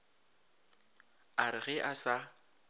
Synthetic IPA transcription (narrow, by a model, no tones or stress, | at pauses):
aɾɪɣɛʔasa